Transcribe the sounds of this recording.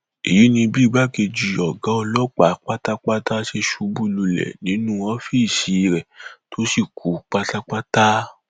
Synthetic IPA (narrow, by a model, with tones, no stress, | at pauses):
ḭ˨ji˨˦nĩ˧bi˦˨ɡ͡ba˦ke˧d͡ʒi˧ɔ˨ɡã˨˦ɔ˧lɔ˦k͡pa˨˦k͡pa˦ta˦k͡pa˦ta˦ʃe˧ʃu˨˦bu˦˨lu˧lɛ̰˨nĩ˨˦nũ˦ɔ̃˧˦fi˦i˦˨ʃi˨˦˧ɾɛ˨to˦si˦˨kʰu˨˦k͡pa˦ta˦k͡pa˦ta˦